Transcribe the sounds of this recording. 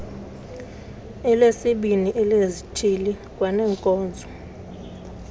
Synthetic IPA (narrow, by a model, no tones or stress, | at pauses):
ɛlesiɓiniʔɛlezitʰilikʼwanɛːŋkʼɔːnd͡zʱɔ